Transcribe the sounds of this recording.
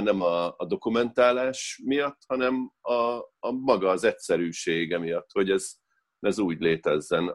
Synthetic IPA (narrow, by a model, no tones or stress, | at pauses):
nɛmɒːd̪o̞kumɛnt̪aːlaːʃmijɒt̪ːhɒnɛmɒːmɒɡɒːzɛtsɛɾyːʃeːɡɛmijɒt̪ːho̞ɟɛz̥ | ɛzuːɟleːt̪ɛzːɛn